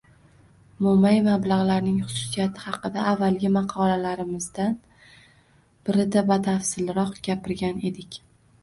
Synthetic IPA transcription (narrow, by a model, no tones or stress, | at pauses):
mʊmajmablˠɑʁlaɾnɪŋχʊ̥sʊ̥sijat̪ʰɪ̥hɑqɨd̪aːvːalɡʲɪmɑqʰɒlalaɾɪmɪzd̪an | b̥ɪɾɪd̪abat̪ʰafsɪlɾɒqɡʲapɪɾɡʲane̞d̪ɪkʲ